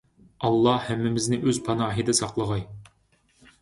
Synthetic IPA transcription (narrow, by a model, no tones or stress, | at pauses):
ɑlˠːɑhæmːɪmɪznɪʔøzpʰɑnɑːɦid̪ɨsɑqlˠəʁɑj